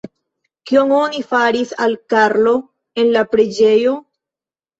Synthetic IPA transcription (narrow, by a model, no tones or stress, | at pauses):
kio̞ŋo̞nifaɾisalkaɾlo̞ | e̞nlapɾed͡ʒe̞jo̞